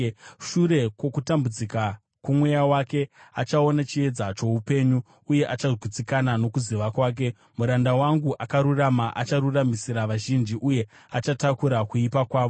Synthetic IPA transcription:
ʃuɾe̞kwo̞kutambud͡zika | kumwejawake̞a̰t͡ʃao̞nat͡ʃie̞d͡zat͡ʃo̞upe̞ɲuː | je̞ʔat͡ʃaʐʱit͡sikanano̞kuziʋakwaːk̬e̞ | muɾandawaŋɡuʔakaɾuramaʔat͡ʃaɾuramisiɾaʋaʒind͡ʒiʔuje̞ | at͡ʃatakuɾakuipakwaːʋo

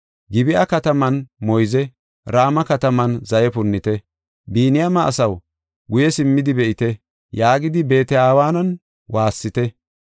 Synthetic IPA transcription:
ɡɪbɪʔɐkɐt̪ɐmɐnmɔjzɛ | ɾaːmɐkɐt̪ɐmɐnzɐjɛpʊnːɪt̪ɛ | biːnɪjɐmɐʔːsɐw | ɡʊjɛsɪmːɪd̪ɪbɛʔɪt̪ɛ | jaːɡɪd̪ɪbe̞ːt̪ɛaːwaːnɐn | waːsːɪt̪ɛ

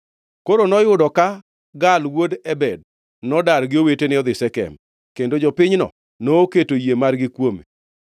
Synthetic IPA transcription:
koɾonɔjʊdɔka | ɡalwodɛbɛd̚ | nɔdaɾɡɪowetenɪɔd̪ɪsɛkɛ̰m | kendod͡ʒɔpɪɲnɔ̰ | noːketojemarɡɪkwomḛ

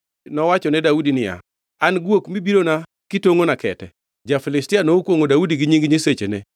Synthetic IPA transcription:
nɔwat͡ʃɔnɛdaudinɪja̰ | anɡwokmibiɾona | kɪtoŋonakɛtɛ̰ | d͡ʒafɪlɪstɪanoukwoŋodaudiɡɪɲiŋɡɲiset͡ʃene

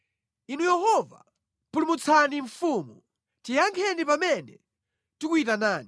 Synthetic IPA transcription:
inujɛhɔva | mpulumut͡sʰaniɱfuːmu | tijaŋkʰɛnipamɛnɛ̰ | tikuit̬anaːni

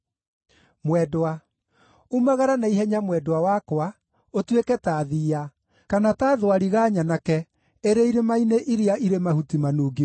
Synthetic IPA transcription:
mwɛdoa | umaɣaɾanaiɦɛɲamwɛdowawakowa | otwekɛtaːðiːa | kanataːðowaɾiɣaːɲanakɛ | eɾeiɾemaineʔiɾiaʔiɾemahutimanuːɡi

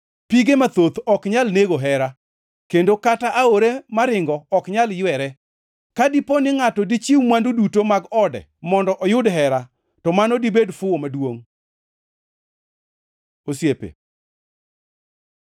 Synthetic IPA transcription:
piɡemat̪ot̪ɔkɲalneɡoɦɛɾa | kendokataʔaoɾemaɾɪŋɡɔːkɲaljwɛɾɛ | kadiponɪŋatɔdit͡ʃiwmwandudutomaɡɔdɛ̰mɔndɔʔɔjʊdɦɛɾa | tɔmanodibedfʊomadwoŋ | osjepḛ

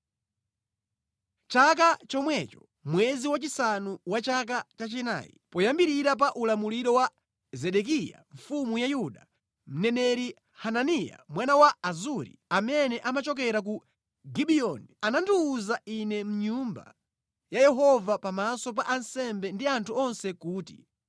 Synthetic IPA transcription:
t͡ʃak̬at͡ʃɔmwɛt͡ʃɔ̥ | mwɛziwat͡ʃisanuwat͡ʃak̬at͡ʃat͡ʃɛna̰ːjḭpɔjambiɾiɾap̬aʔulamuliɾɔwa | zɛɗɛk̬ija̰ɱ̩fumujajuɗa | m̩nɛnɛɾi | hananija̰mwanawaazuɾḭamɛnɛʔamat͡ʃɔk̬ɛɾak̬u | ɡiɓiɔnianandiːzainɛm̩ɲumba̰ | jajɛɦɔvapamasɔp̬aʔansɛmbɛndiantʰuɔnsɛkuːtḭ

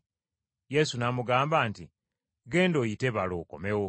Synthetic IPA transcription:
je̞sunamuɡaːmbaːnti | ɡe̞ːndoːjiteβalo̰ko̰me̞wo

